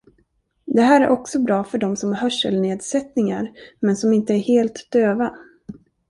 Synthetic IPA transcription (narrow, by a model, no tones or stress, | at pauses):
d̪ɛɦæːɾæɾʔɔksɔbɾɑːfœɖɔmsɔmhœʂːəlneːd̪sɛt̪nɪŋa̰ɾmɛnsɔmɪnt̪əæɾheːlt̪d̪̥øːva